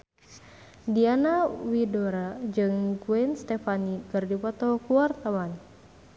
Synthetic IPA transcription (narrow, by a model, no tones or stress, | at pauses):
dianawidoɾad͡ʒɨŋɡuɛnst̪ɛfanikɨrdipɔt̪ɔkuwart̪awan